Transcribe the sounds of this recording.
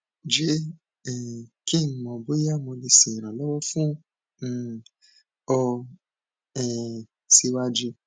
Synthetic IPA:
d͡ʒe˦ | ɛ˨ki˦˨n̩˨˦mɔ̃˨bo˦ja˦˨mɔ̃˧le˧sĩ˨ɾ̃ã˨lɔ˦wɔ˦fũ˦˨ | ɔ˧ | ɛ̃˨ | si˦wa˦d͡ʒi˧

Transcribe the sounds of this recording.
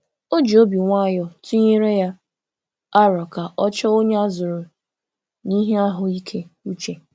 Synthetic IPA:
o˦d͡ʒi˨o˦bi˨ŋʷa˦a˦jɔ˨tu˦ɲi˦ɾe˦ja˦ | a˦ɾɔ˨ka˨ʔɔ˦t͡ʃɔ˦o˦ɲe˦a˦zʊ˨ɾʊ˨ | ni˦ɦe˦a˦ɦʊ˨i˦kʰe˦u˦t͡ʃe˨

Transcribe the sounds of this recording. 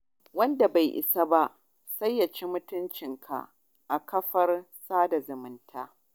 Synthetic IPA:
wɐ˦nda˨ba˨jʔɪ̰˨sa˦ba˦ʔ | sɐ˦jːa˨t͡ʃeː˦mʊ˦tʊ˦nt͡ʃɪ˨ŋkʰa̰˨ | ʔa˨kɐ˦ɸɐ˦r | saː˦da˨zʊ˨mɪ˦ntʰaː˦

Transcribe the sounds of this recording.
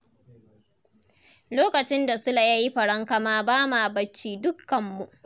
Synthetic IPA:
loː˦kɐ˨t͡ʃɪ˦nda˨sʊ˦la˨jaː˦ji˦ɸɐ˨ɽɐ˦ŋka˦maː˦baː˦maː˨bɐ˦t͡ʃːiː˦˨dʊ˦kːɐ˨mːu˨ʔ

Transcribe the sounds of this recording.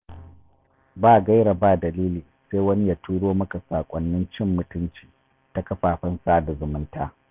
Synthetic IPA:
baː˦˨ɡa˦jɽa˨baː˦˨dɐ˨liː˦liː˨seː˦wɐ˦ni˦jaː˨tʰuː˦ɽoː˦mɐ˦ka˨saː˨kʷʼɐ˦nːɪ˦nt͡ʃɪ˦˨mːʊ˨˦tʊ˦nt͡ʃi̥ː˨ | ta˨kɐ˦ɸaː˨ɸɐ˦nsaː˦da˨zʊ˨mɪ˦ntaː˦

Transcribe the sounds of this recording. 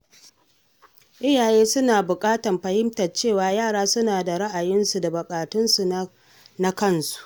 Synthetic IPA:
ʔɪ˦jaː˨jeː˦sʊ˦naː˨bʊ˨kʼaː˦tɐ˨mɸɐ˨hɪ˦mtɐ˨rt͡ʃeː˦˨waː˨jaː˦˨ɽaː˦sʊ˦naː˨da˨ɽa˦ʔa˨jɪ˦nsu˨da˨bʊ˨kʼaː˨tʊ˦nsu˨ | na˦kɐ˦nsu̥˨ʔ

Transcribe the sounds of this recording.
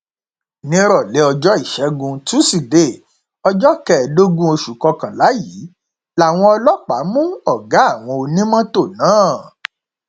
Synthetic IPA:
nĩ˦ɾɔ˦˨le˨˦ɔ˧d͡ʒɔ˦i˦˨ʃɛ˨˦ɡũ˧tu˦si˨de˦˨ | ɔ˧d͡ʒɔ˦kɛ˦˨do˦ɡũ˦o˧ʃu˨kɔ˧kã˨la˨˦ji˨˦ | la˨w̃ɔ̃˧ɔ˧lɔ˦k͡pa˨˦mũ˦ɔ˦˨ɡa˨˦a˦˨w̃ɔ̃˧o˧nĩ˦mã˦to˦˨nãː˨˦˨

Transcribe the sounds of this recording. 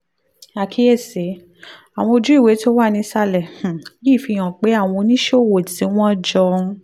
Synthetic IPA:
a˨kʰi˨˦e˦˨se˨˦ | a˨w̃ɔ̃˧o˧d͡ʒu˨˦i˦˨we˨˦to˦wa˦˨˧nĩ˧˦sa˦lɛ˨h̩˨ki˦˨fi˧j̃ã˨k͡pe˨˦a˦˨w̃ɔ̃˧nĩ˦ʃo˦˨wo˨tĩ˨˦w̃ɔ̃˦d͡ʒɔ̃˧˦

